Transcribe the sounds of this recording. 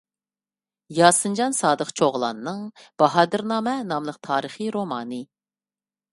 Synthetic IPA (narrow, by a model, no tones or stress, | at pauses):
jɑːsɨnd͡ʒɑnsɑːd̪əqt͡ʃʰoʁlˠɑ̰nɨnːɨŋb̥ɑɦɑːd̪ɨɾnɑːmɛnɑmlˠəq̚t̪ʰɑːɾəχiɾomɑːnɨ